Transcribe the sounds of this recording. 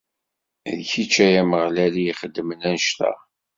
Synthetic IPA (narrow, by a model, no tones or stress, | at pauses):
ðçit͡ʃːæjæməʁlælijiχəd̪ːmənænʃt̪æ̰